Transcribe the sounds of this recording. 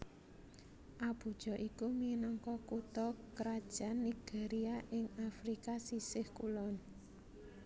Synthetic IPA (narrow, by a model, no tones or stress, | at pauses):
ʔab̥ṳd̥ʒ̥ɔ̤ʔikuminɔŋkɔkut̪ɔkɾad̥ʒ̥a̤nːiɡ̥eɾiaʔɪŋafɾikasisɪhkulɔn